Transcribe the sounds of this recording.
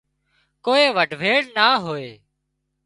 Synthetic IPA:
koːeːʋəɖʱʋeːɽnaːɦoːeː

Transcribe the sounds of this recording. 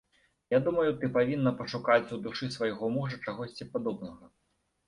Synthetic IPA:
jad̪umɐjut̪ɨpavʲinːɐpɐʂukat͡sʲud̪uʂɨsvɐjɣɔmuʐɐt͡ʂaɣɔsʲt͡sʲipad̪ɔbnɐɣɐ

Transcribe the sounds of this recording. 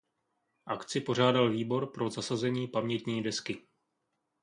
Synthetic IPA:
ʔakt͡sɪpo̞r̝aːdalviːbo̞ɾpɾo̞zasazɛɲiːpamɲɛt̪ɲiːdɛskɪ

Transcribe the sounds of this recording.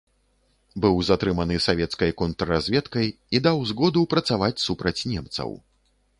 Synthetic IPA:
bɨwzat̪ɾɨmɐnɨsavʲɛt̪skɐjkɔnt̪ɾɐrazʲvʲɛt̪kɐj | id̪awzɣɔd̪ɨwpɾɐt̪savat͡sʲsupɾɐt͡sʲnʲɛmt̪sɐ̰w

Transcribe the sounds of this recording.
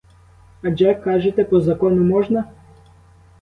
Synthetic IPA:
ɐd͡ʒɛkɑʒet̪ɛpɔzɐkɔnʊmɔʒnɐ

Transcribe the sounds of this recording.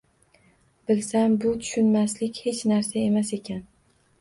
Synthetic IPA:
b̥ɪlsambʊt̪ʰʊ̥ʃʊnmaslɪkʲhe̞t͡ʃnaɾsae̞mase̞kʲʰan

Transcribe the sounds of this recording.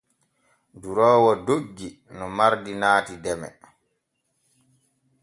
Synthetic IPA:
duɾɔːwɔdoɡːi | nɔmaɾdinaːtidɛmɛ̰

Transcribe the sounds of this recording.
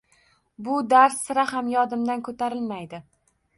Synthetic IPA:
bʊd̪aɾsːɪɾaɦamjɒd̪ɪmd̪ankʰɵt̪ʰaɾɪlmajd̪ɪ

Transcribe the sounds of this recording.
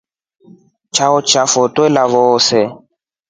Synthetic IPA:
t͡ʃʰaʊt͡ʃafɔtwɛlaβɔsɛ

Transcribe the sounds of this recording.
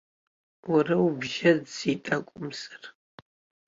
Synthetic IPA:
wɐrɐwbʒɐdz̥itʼɐkʷʼʊmz̥ɨr

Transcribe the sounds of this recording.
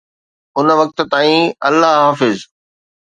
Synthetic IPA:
ʊnʋɐk̚t̪̆t̪aːĩɐlːaɦɦaːfɪz

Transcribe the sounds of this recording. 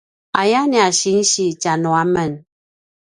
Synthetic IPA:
ajaniaʃin̩ʃit͡ʃanɔamən

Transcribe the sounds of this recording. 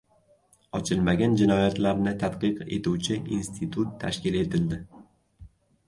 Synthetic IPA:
ɒt͡ʃʰɪlmaɡʲand͡ʒɪnɒjat̪laɾnɪt̪ʰat̪qɨqe̞̰t̪uwt͡ʃʰɪinst̪ʰɪt̪ʰut̪ʰːaʃkʲɪle̞t̪ʰɪld̪ɪ

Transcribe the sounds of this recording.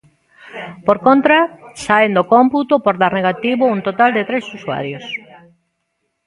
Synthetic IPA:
poɾkont̪ɾasaend̪okomput̪opoɾðaɾneɣ̞at̪iβount̪ot̪ald̪et̪ɾesusua̰ɾjos

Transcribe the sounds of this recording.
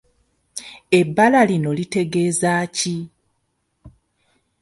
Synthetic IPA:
e̞bːalalino̞lite̞ɡe̞ːzaci

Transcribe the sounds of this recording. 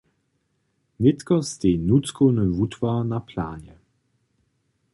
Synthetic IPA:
nɪt̪kɔst̪enut͡skʰownəvut̪v̥anapʰla̰ːɲɛ

